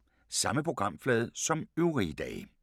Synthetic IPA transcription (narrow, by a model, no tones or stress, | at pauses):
sɑ̈məpʰʁo̝ɡ̥ʁɑ̈m̰flɛːð̞̩ˠsɒ̽møʊʁid̥ɛ̰ːɪ